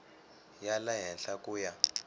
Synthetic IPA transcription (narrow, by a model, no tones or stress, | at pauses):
jalaɦɛnɬakʼuːja